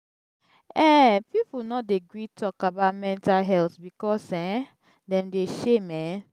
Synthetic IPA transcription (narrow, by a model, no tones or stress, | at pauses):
ɛpipunɔdeɡɹitʰɔkabaʊtmɛ̃ntalɦɛltbikɔsɛ̃ | dɛ̃mdeʃemɛ